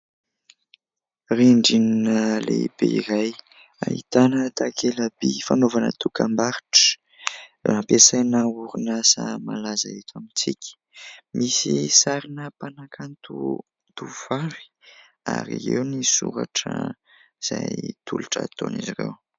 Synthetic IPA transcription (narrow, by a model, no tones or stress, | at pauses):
reɳɖ͡ʐininəleb̥eiɾaj | a̰ɦit̪anət̪akʰelabifanovanə̰t̪ukambaɾiʈ͡ʂə̥ | apesajnauɾunasamalazait̪ʰamit͡sikʲə̥ | mʔisisaɾinəpanakʰant̪u | t̪uvaɾi̥ | aɾiewnisuɾa̰ʈ͡ʂə | z̥ajt̪ʰuluʈ͡ʂət̪onizirḛw